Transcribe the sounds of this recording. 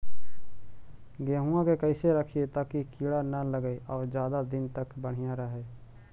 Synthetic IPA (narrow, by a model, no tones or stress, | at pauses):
ɡeɦuãkekəɪseɾəkʰiet̪aːkikiːɽanələɡeʔɔːɾd͡ʒjaːd̪ad̪ɪnt̪əkbəɽ̤ijãɾəɦeː